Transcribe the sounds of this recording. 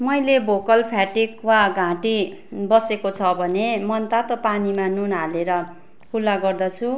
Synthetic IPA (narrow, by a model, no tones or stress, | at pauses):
mʌjlebokʌlpʰjaʈikwaɡʱãʈibʌsekot͡sʰʌbʱʌnemʌnt̪at̪opanimanunaleɾʌ | kʰulːaɡʌrd̪ʌt͡sʰu